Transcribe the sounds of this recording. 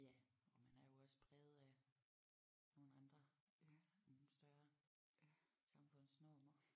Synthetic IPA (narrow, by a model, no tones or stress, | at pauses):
jæɒmænæɐjo̝ɒ̽spʰʁɛːð̩ˠæ | no̝ːn̩ɑnd̥ʁɐ | on̩sd̥ɶɐ | sɑ̈mfɔ̽n̰snɔmɐ